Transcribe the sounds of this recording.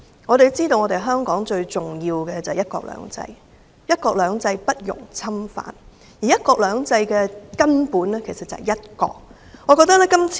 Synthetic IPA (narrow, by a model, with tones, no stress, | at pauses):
ŋɔː˨˧ɾe˨jt͡siː˥t̪o˧wŋɔː˨˧t̪e˨jɦœː˥ŋkɔː˨˥ŋt͡ʃɵ˧ɥt͡sʊ˨˩ŋjiː˧wkɛː˧t͡sɐ˨hɛ˨jɐ˥t̚kɔ̰ː˧k̚lœ̰ː˨˧ŋt͡sɐ̰˧j | jɐ˥t̚kɔː˧k̚lœː˨˧ŋt͡sɐ˧jpɐ˥t̚jʊ̰˨˩ŋt͡sʰɐ˥mfa̰ː˨˥n | jiː˨˩jɐ˦˥t̚kɔː˧k̚lœː˨˧ŋt͡sɐ˧jkɛː˧kɐ˥npuː˨˥nlɛ˥kʰe˨˩jsɐ˨t̚t͡sɐ̰˨ɛ̰˨˩jɐ˥t̚kɔ̰ː˧k̚ | ŋɔː˨˧kɔː˧k̚t̪ɐ˥k̚lɛ˥kɐ˥mt͡sʰː